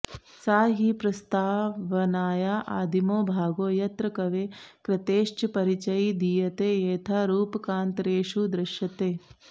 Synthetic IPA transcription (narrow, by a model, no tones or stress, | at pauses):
saːɦipɾɐst̪aːʋɐnaːjaːʔa̰ːd̪imoːbʱaːɡoːjɐt̪ɾɐkɐʋeːkɾɐt̪eːʃt͡ʃɐpɐɾit͡ʃɐjid̪ijɐt̪eːeːt̪ʰaɾuːpɐkaːnt̪ɾeːʃud̪ɾɐʃjɐt̪eː